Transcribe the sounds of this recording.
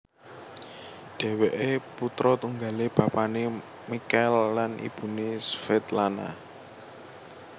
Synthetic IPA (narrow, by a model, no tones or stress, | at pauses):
ɖ̥ɛ̤weʔeput̪ɾɔt̪uŋɡaleb̥a̤pane | mikɛlːanḭb̥ṳnesfɛt̪lana̰